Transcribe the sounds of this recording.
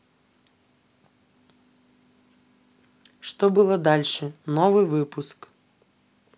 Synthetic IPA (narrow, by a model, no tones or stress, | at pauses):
ʂt̪ɔbɨlˠɔd̪alʲʂɛnɔvɨvɨpusk